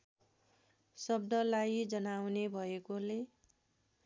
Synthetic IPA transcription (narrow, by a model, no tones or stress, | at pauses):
sʌb̚d̪ʌlajd͡zʌnawnebʱʌekole